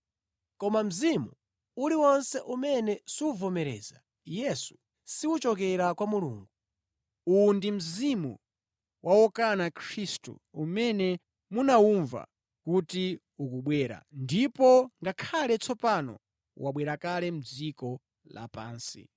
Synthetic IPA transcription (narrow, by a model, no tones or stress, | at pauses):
kɔmam̩zimu | uliwɔnsɛʔumɛnɛsiwuvɔmɛɾɛ̰za | jɛsu̥ | siwut͡ʃɔk̬ɛɾakwamulṵːŋɡu | undim̩zimu | wʔawɔkanakʰɾistṵumɛnɛ | munawuɱva̰ | kuti | ukuɓwɛːɾa̰ndipɔŋɡakʰalɛt͡sʰɔpanɔ̰ | waɓwɛɾakalɛm̩d͡zikɔ | la̰pa̰ːnsḭ